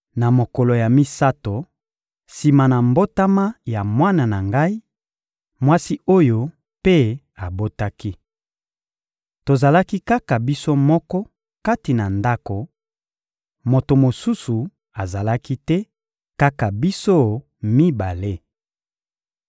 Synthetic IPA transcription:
na˨mo˨kɔ˨lo˨ja˨mi˦sa˦to˨ | si˨ma˨na˨mbo˦ta˦ma˦ja˨mwa˦na˨na˨ŋɡa˦i˦ | mwa˦si˦o˦jo˦ | pe˦ | a˨bo˦ta˦ki˦ | to˨za˨la˦ki˦ka˦ka˨bi˦so˦mɔ˦kɔ˦ | ka˦ti˨na˨nda˦ko˨ | mo˨to˨mo˨su˦su˨ | a˨za˨la˦ki˦tɛ˦ | ka˦ka˨bi˦so˦ | mi˦ba˨le˦

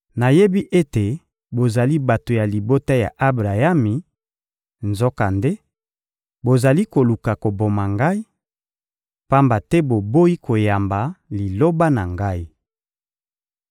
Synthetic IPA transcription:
na˨je˦bi˦ʔe˦te˨ | bo˨za˨li˦ba˨to˨ja˨li˨bo˦ta˦ja̰˨ʔa˦bʁa˨ja˦mi˨ | nzo˦ka˨nde˦ | bo˨za˨li˦ko˨lu˨ka˨ko˨bo˨ma˨ŋɡa˦i˦ | pa˦mba˨tɛ˦bo˨bo˦i˦ko˨ja˨mba˨li˨lo˦ba˦na˨ŋɡa˦i˦

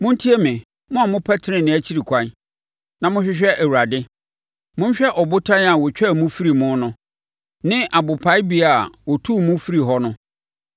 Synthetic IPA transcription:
mʊ̃˦n̩˦tʰi˦e˦mɪ̃˨ | mʊ̃˦a˨mʊ̃˦pʰɛ˦tʰɪ˦ɪ̃˨nɪ̃˨æ˦t͡ɕʰi˦ɾi˨kʰʷã˦n | nã˨mʊ̃˦ɕᶣɪ˦ɕᶣɛ˦ʔæ˨wu˨ɾa˨dɪ˦ | mʊ̃˦n̩˦ɕᶣɛ˦ʔɔ˨bʊ˦tʰã˦n˦a˨wɔ˨t͡ɕᶣɛ˦˨mʊ̃˦fi˦ɾi˨mʊ̃˦nʊ̃˦ | nɪ̃˦ʔa˨bʊ˨pʰa˦ɪ˦bi˨˦a˨wɔ˨tʰu˦mʊ̃˦fi˦ɾi˨ɦɔ˦nʊ̃˦

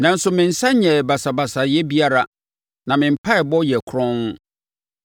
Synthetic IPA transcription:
nã˨n̩˦sʊ˨mɪ̃˨n̩˨sã˦ɲɛ˨ba˨sa˨ba˨sa˨jɛ˦bi˦a˦ɾa˦ | nã˨mɪ̃˨m̩˨pʰa˦ɛ˨bɔ˦jɛ˨kʰʊ˦ɾɔ̃˦ñ˦

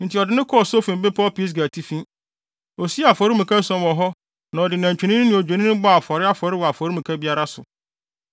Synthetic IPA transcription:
n̩˨tʰɪ˨ɔ˨dɪ˦nɪ̃˦kʰɔ˦ɔ˨so˦fĩ˨m˨bɪ˦pʰɔ˦pi˦s̬ɡæ˨tʰi˦fĩ˦ | ɔ˨si˦a˨fɔ˨˦ɾɪ˦mĩ˨kʰa˦sɔ̃˦nwɔ˨ɦɔ˦ | nã˨ɔ˨dɪ˨næ̃˨ɲt͡ɕᶣĩ˨˦nĩ˦ñ˦nɪ̃˨o˨d͡ʑᶣe˨nĩ˦ʊ̃˦bɔ˦a˨fɔ˨ɾɪ˦a˦fɔ˨ɾɪ˦wɔ˨a˨fɔ˨ɾi˦mĩ˨kʰæ˦bi˦a˦ɾa˦sʊ̰˨

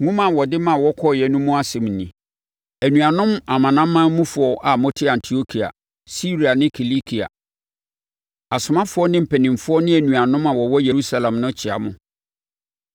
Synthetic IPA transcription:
ŋʊ̃˦mã˨wɔ˨dɪ˦mã˦˨wɔ˦kʰɔ˦˨jɛ˨nũ˦mũ˦a˦sɪ̃˨m˨nĩ˨ | æ˨nũ˨a˨nʊ̃˦ma˨mã˨nã˦m̩ː˦ã˦mũ˦fʊ˨ɔ˨ʔa˨mɔ̃˦tʰɪ˦ã˨ntʰi˨o˦kʰi˨a̰˨ | si˦ɾi˨a˨nɪ̃˦kʰi˨li˦kʰi˨a̰˨ | a˨sʊ˨mã˦fʊ˦ɔ˦nɪ̃˦m̩˨pʰɛ˨nɪ̃˨mfʊ˦ɔ˦nɪ̃˦æ˨nũ˨a˨nʊ̃˦mã˨wɔ˨wɔ˦je˨ɾu˦sa˦lã˨mnʊ̃˦t͡ɕʰɪ˨a̰˨mʊ̃˦

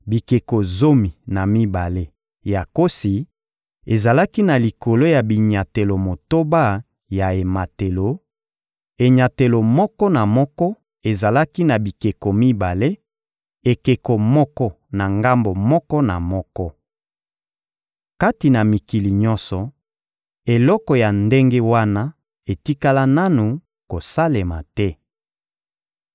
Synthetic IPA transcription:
bi˨ke˨ko˨zo˦mi˨na˨mi˦ba˨le˦ | ja˨ko˦si˨ | e˨za˨la˦ki˦na˨li˨ko˨lo˦ja˨bi˨ɲa˨te˨lo˨mo˨to˦ba˦ | ja˨e˨ma˨te˨lo˨ | e˨ɲa˨te˨lo˨mɔ˦kɔ˦na˨mɔ˦kɔ˦ | e˨za˨la˦ki˦na˨bi˨ke˨ko˨mi˦ba˨le˦ | e˨ke˨ko˨mɔ˦kɔ˦ | na˨ŋɡa˦mbo˨mɔ˦kɔ˦na̰˨mɔ˦kɔ˦ | ka˦ti˨na˨mi˨ki˨li˨ɲɔ˦nsɔ˨ | e˨lɔ˦kɔ˨ja˨nde˦ŋɡe˦wa˦na˦ | e˨ti˦ka˦la˦na˦nu˨ | ko˨sa˦le˨ma̰˨tɛ˦

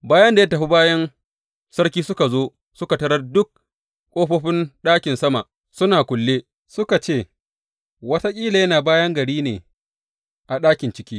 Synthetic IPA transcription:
baː˦jɐ˦nda˨jɐ˦tɐ˨ɸi˦baː˦jɐ˦n | sɐ˦rkʲiː˦sʊ˦ka˨zoː˦ | sʊ˦ka˨tɐ˦ɽɐ˦rdʊ˦k̚ | kʷʼoː˦ɸoː˦ɸɪ˦nɗaː˦kʲɪ˨nsɐ˦ma̰˨ | sʊ˦naː˨kʷʊ˨lːeː˦ | sʊ˦ka˨t͡ʃeː˦˨ | wɐ˦ta˦kʲʼiː˦la˨jɐ˦naː˨baː˦jɐ˦ŋɡɐ˨ɽiː˦nḛː˨ | ʔa˨ɗaː˦kʲɪ˨nt͡ʃɪ˦kʲiː˦

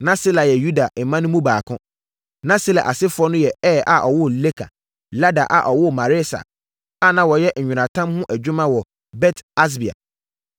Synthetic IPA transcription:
nã˦si˦la˨jɛ˨ju˦da˨e˨mã˦nʊ̃˦mũ˦baː˨kʰʊ̃˦ | nã˦si˦la̰˨ʔa˨sɪ˦fʊ˦ɔ˦nʊ̃˦jɛ˨ɛː˦˨ʔa˨ʔɔ˨wʊ˦le˦kʰa̰˨ | la˦da̰˨ʔa̰˨ʔɔ˨wʊ˦˨ma˨ɾɪ˦sa̰˨ | a˦nã˨wɔ˨jɛ˦ɲ̩˨ɲᶣũ˨ɾã˨tʰã˦mhʊ̃˦ʔæ˨d͡ʑᶣu˦mã˦wɔ˨ | bɛ˦tʰa˦s̬bi˨a̰˨

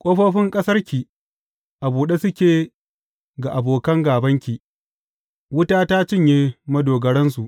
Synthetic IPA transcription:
kʷʼoː˦ɸoː˦ɸɪ˦ŋkʼɐ˦sɐ˦rkʲi˨ | ʔa˨buː˨ɗe˦sʊ˦kʲeː˨ | ɡa˨ʔa˨boː˨kɐ˦ŋɡaː˨bɐ˦ŋkʲi˨ | wʊ˦taː˦ta˦t͡ʃɪ˦˨ɲjeː˦mɐ˦doː˨ɡɐ˨ɽɐ˦nsu˨ʔ

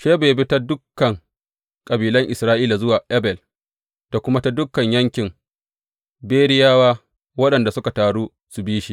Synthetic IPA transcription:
ʃeː˦beː˨bi˦ta˦dʊ˦kːɐ˨ŋ | kʼɐ˨biː˨lɐ˦ŋʔɪ˨sɾaː˦ʔiː˦la˨zʊ˦waː˨ʔɛ˦bɛ˨l | d̥a˨kʷʊ˦ma˦ta˦dʊ˦kːɐ˨ɲjɐ˦ŋkʲɪ˨m | beː˦ɽɪ˦jaː˦waː˦ | wɐ˦ɗɐ˨nda˨sʊ˦ka˨taː˨ɽuː˦ | su˨biː˦ʃi˦

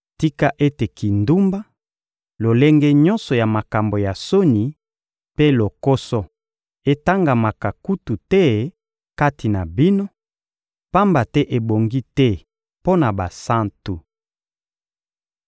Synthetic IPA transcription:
ti˦ka˦ʔe˦te˨ki˨ndu˦mba˦ | lo˨le˦ŋɡɛ˦ɲɔ̃˦nsɔ˨ja˨ma˨ka˨mbo˨ja˨so˦ni˨ | pe˦lo˨ko˦sɔ˦ | e˦ta˦ŋɡa˨ma˨ka˨ku˦tu˨tɛ˦ | ka˦tʰi˨na˨bi˦no˦ | pa˦mba˨tɛ˦ʔe˨bo˨ŋɡi˦tɛ˦ | po˦na˨ba˨sa˦ntu˨

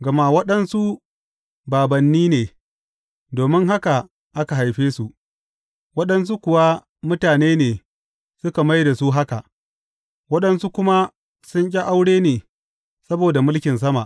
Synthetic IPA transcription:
ɡɐ˨ma˦wɐ˦ɗɐ˦nsu˦ | baː˨bɐ˨nːiː˦neː˨ | doː˨mɪ˦ŋɦa˦ka˨ | ʔa˦ka˨ɦa˨jɸeː˦su˦˨ | wɐ˦ɗɐ˦ns̬u˦kʷʊ˨wa˦ | mʊ˦taː˨neː˦neː˨ | sʊ˦ka˨ma˦jda˨su˦ɦa˦ka˨ʔ | wɐ˦ɗɐ˦nsu˦kʷʊ˦ma˦ | sʊ˦ɲkʲʼi˦ʔa˦wɽeː˦neː˨ | sɐ˦boː˨da˨mʊ˦lkʲɪ˨ns̬ɐ˦ma˨ʔ

